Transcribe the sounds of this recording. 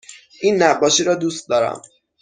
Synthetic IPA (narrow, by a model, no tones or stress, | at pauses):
ʔiːnːæbːɒːʃiːɾɒːd̪uːst̪̚d̪ɒːɾæ̰m